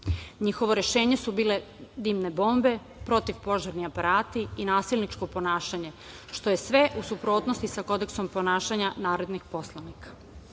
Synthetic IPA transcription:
ɲixo̞ʋo̞ɾe̞ʃe̞ːɲe̞subiːle̞ | d̪iːmne̞bo̞ːmbe̞ | pɾo̞t̪iʋpo̞ʒaɾniapaɾaːt̪iinaːsilˠnit͡ʃko̞po̞naːʃaɲe̞ | ʃt̪o̞je̞sʋe̞ʔusupɾo̞ːt̪no̞st̪isako̞d̪e̞kso̞mpo̞naːʃaɲanaːɾed̪nixpo̞slˠanikʰḁ

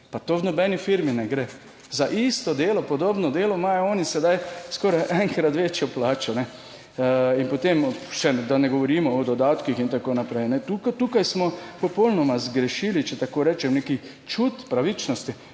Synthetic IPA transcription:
pat̪oːwnɔbɛnifiɾminɛɡɾe | zaʔist̪ɔd̪eːlɔpɔd̪oːbnɔd̪eːlɔmaːjɔɔːnisɛd̪ajskoːɾajʔɛŋkɾad̪ʋeːt͡ʃjɔplaːt͡ʃɔnɛ | inpɔt̪emʃɛd̪anɛɡɔʋɔɾiːmɔɔd̪ɔd̪aːt̪kixint̪akoːnapɾɛjnɛt̪ukt̪uːkajsmɔpɔpowlnɔmazɡɾɛʃilit͡ʃɛt̪akoːɾɛːt͡ʃɛmneki | t͡ʃut̪pɾaʋit͡ʃnɔst̪i

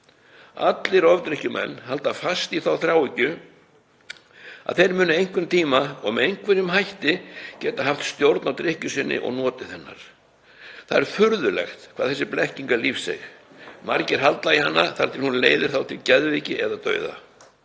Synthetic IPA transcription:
a̰t̪lɪɾɔvt̪ɾɪhcʏmɛ̰nːɦalt̪afast̪iθawθɾjawicʏ | a̰ðθejɾmʏːnʏejŋ̥kvʏmt̪ʰiːmaɔ̰ɣmɛejŋkʰvɛɾjʏmɦajht̪ɪcɛːt̪aɦaft̪st̪jowɾt̪nawt̪ɾɪhcʏsɪnːɪ̰ʔɔ̰ɣnɔːt̪ɪθɛnːa̰ɾ̥ | θaðɛɾfʏɾðʏlɛ̰xt̪kʰvaðθɛsɪplɛhciŋkalifsɛ̰xmaɾcɪɾ̥ɦalt̪laihanːaθaɾ̥t̪ʰɪlhunleːjðɪɾθawt̪ʰɪlcɛðviːcɪʔɛðat̪œ̰ːɥða̰

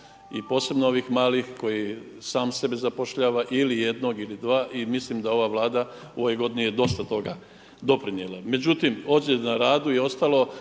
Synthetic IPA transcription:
ipo̞ːse̞bnoo̞ʋixmaːlixko̞ji | saːmse̞bezapoʃʎaːʋaʔilije̞d̪no̞ɡilid̪ʋaːʔimislimd̪ao̞ʋaʋlˠaːd̪a | o̞ʋo̞jɡo̞d̪inijed̪o̞st̪at̪o̞ɡa | d̪o̞pɾinjelame̞d͡ʑut̪imo̞ːd͡ʑenaɾaːd̪uio̞st̪alo̞

